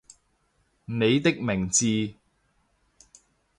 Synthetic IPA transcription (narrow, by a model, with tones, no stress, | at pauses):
ne˨˧jt̪ɪ˥k̚mɪ˨˩ŋt͡siː˧